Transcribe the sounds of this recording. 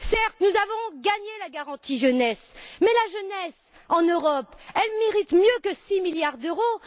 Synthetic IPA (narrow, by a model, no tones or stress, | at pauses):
sɛʁt̪nuzavɔ̃ɡaɲelaɡaʁɑ̃t̪iʒənɛsmɛlaʒənɛs | ɑ̃nøʁɔpɛlmeʁit̪mjøkəsimiljaʁd̪øʁo